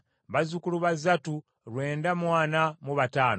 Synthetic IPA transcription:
βazukuluβazatu | ɾwe̞ːndamwaːnamuβataːno

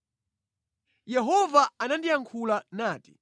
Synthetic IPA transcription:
jɛɦɔvaːnandijaŋkʰulanaːti̥

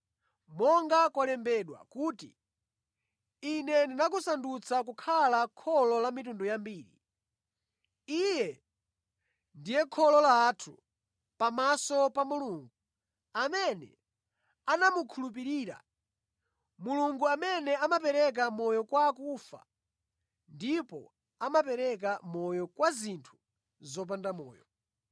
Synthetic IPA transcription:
mɔŋɡakwalɛmbɛɗwa̰kuːtḭ | inɛndinak̬usandut͡sʰak̬ukʰalakʰɔlɔlamitundɔjambiːɾḭ | ijɛ | ndijɛkʰɔlɔlaːtʰu | pamasɔpamuluːŋɡu | amɛnɛ̰ | anamukʰulup̬iɾiːɾa̰ | muluŋɡuamɛnɛamapɛɾɛk̬amɔjɔkwakufa̰ | ndipɔ̰ | amapɛɾɛk̬amɔjɔkwazintʰu̥ | zɔp̬andamɔ̰ːjɔ

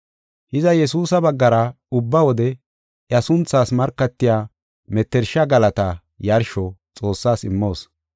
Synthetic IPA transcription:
hɪzɐjɛsuːsɐbɐɡːɐɾɐ | ʊbːɐwɔd̪ɛ | ʔjɐsʊnt͡sːaːsmɐɾkːɐt̪ːɪjaː | mɛt̪ːɛɾʃɐɡɐlɐt̪ɐ | jɐɾʃɔt͡sʼo̞ːsːaːsɪmːo̞ːs

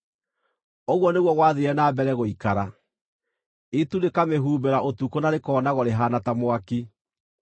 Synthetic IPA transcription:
oɣwɔneɣwɔɣwaðeɾɛnabɛɾɛɣoikaɾa | etunekameɦuːbeɾaʔotukonaɾekɔːnaɣoɾeɦaːnatamoaki

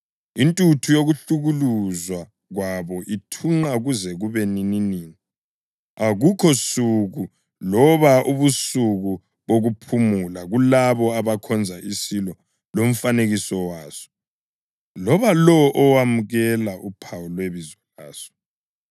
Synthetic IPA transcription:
intʼutʰujoɣuɬuɣuluzwa | ɣwaβɔʔitʰuŋ͡ǃaɣuzɛɣuβenininiːni | aɣukʰɔsuɣu | lɔβaʔuβusuɣu | βoɣupʰumulaɣulaβɔaβakʰɔnd͡zʱaʔisilɔ | lom̩faneɣisɔwaːzɔ̥ | lɔβalɔʔɔwamuɣɛlaʔupʰawulweβizaɣaːz̥ɔ̥

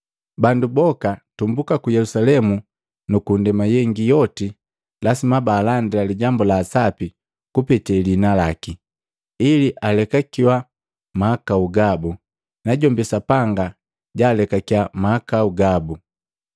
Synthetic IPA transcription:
bandubɔkatumbukakujɛlusalɛmu | nukundɛmajɛŋɡijɔti | lasimabaːlandilaliɟambɔlaːsapi | kupɛtɛlinalaki | iliʔalɛkakiwa | maakauɡabu | naɟɔmbisapaŋɡa | ɟaːlɛkakiwamaakauɡabu

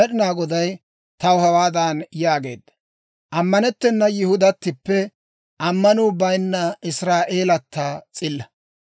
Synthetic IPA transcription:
ɛɗɪnaːɡɔd̪ɐj | t̪ɐwhɐwaːd̪aːnjaːɡe̞ːd̪ːɐ̥ | ʔɐmːɐnɛt̪ːɛnːɐjɪhʊd̪ɐt̪ːɪpːɛ | ʔɐmːɐnuːbɐjnːɐɪsɾaːʔe̞ːlɐt̪ʰːaːt͡sʼɪlːɐ

